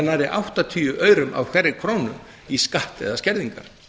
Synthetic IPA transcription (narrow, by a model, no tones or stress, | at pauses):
naɾɪʔawht̪at̪ʰyːʏʔœːɥɾʏma̰vkʰvɛɾɪkʰɾoːwnʏm | iskaht̪ɛ̰ðascɛɾðiŋka̰ɾ̥